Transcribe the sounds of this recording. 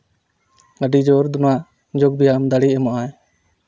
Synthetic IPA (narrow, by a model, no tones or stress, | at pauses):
ɡaɖid͡ʒɔɾd̪ɔnaʔ | d͡ʒɔɡ̚bijamd̪aɽiɛmaʔaj